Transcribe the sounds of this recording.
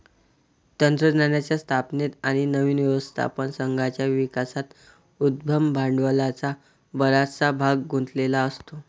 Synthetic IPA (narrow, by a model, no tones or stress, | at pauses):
t̪ənt̪ɾənanjat͡ɕjast̪ʰapnet̪aɽ̃inəʋiːnʋjəʋəst̪ʰa̰pənsəŋɡʱat͡ɕjaʋikasat̪ | ud̪̚bʱəmbʱaɳɖʋəlat͡sa | bəɾat͡sabʱaɡːunt̪ʰlelaəst̪o